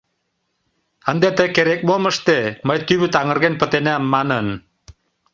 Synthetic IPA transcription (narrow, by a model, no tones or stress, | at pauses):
ə̆nd̪et̪əkeɾek̚moməʃt̪eməjt̪yβyt̪ɑŋɤ̆ɾɣenpə̆t̪enæmːɑnə̆n